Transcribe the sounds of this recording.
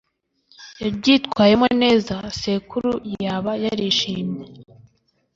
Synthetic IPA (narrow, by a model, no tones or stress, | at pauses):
jaɾɟitkwaːjemeone̞ːzase̞kuɾujaβajaɾiːʃiːmɲe